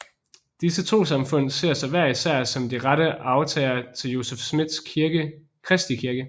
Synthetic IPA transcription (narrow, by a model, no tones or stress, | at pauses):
d̥isət͡sʰo̝̰ːsɑ̈mfɔ̽n̰se̝ɐ̰sɑʋæɐisæɐ̰sɒ̽md̥iʁɑɾəʔɑ̈ʊt͡sʰɛ̰ːɪɐt͡sʰe̝ljo̝sefsmid̥sɡ | kʰʁɛsd̥ikʰiɐɡ̥ə